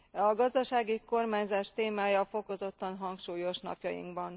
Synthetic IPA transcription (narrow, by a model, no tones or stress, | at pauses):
ɒɡɒzd̪ɒʃaːɡiko̞rmaːɲzaːʃt̪eːmaːjɒfo̞ko̞zo̞t̪ːɒnɦɒŋkʃuːjo̞ʃnɒ̰pjɒjḭŋkbɒn